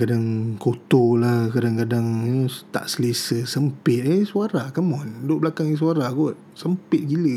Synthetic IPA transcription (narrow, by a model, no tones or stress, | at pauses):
kadaŋkot̪olahkadaŋkadaŋət̪a̰ʔsəlisəsəmpɪt̪̚esuaɾakamɔndoʔblakaŋs̬uaɾaɡuʔ̚ | səmpɪt̪̚ɡilə